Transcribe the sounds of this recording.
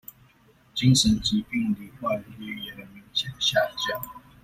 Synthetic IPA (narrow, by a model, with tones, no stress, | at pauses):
t͡ɕi˥ŋʂə˨˦nt͡ɕi˧˥pi˥˧ŋli˨˩kwa˥˩ny˧˥˨jɛ˨˩də˨mi˧˥ŋɕjɛ˨˩d̪ə˦ɕja˥˧˨t͡ɕjɑ˥˩ŋ